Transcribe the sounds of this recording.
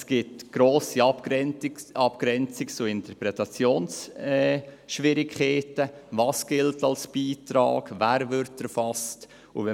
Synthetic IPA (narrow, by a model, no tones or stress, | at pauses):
sɡ̥ɪtɡ̥ɾoːsip | ɑpɡ̥ɾɛnt͡sikt͡suɪntəɾpɾɛtɑt͡sjoːnsɛ | ʃʋɪɾɪkʰχeːtəvɑːsɡ̥ɪltɑlsb̥iːtɾɑ̰ːɡ̥væːɾvʏɾtɛɾfɑst | ṵvɛ